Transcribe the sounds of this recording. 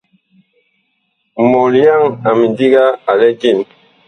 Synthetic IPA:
mo˨li˨ja˦˨ŋa˨mi˨di˦ɡa˦a˨lɛ˦ɡi˦˨n

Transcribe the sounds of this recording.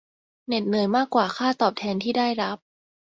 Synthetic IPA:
ne˨˩t̪̚nɯ˨˩˦jmaː˥˩kwaː˨˩xʰaː˥˩t̪ɔː˨˩p̚t̪ʰɛː˧nt̪ʰiː˥˩daː˥˩jɾa˦˥p̚

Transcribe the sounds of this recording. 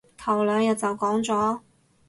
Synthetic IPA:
t̪ʰɐ˨˩wlœː˨˧ŋjɐ˨t̚t͡sɐ˨wkɔː˨˥ŋt͡sɔː˨˥

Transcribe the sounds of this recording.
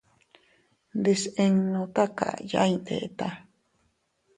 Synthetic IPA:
nd̪e˧sẽ˧ŋnõ˧t̪a˦ka̰˨ja̰˧ind̪ḛ˨ʔe˨t̪a˦

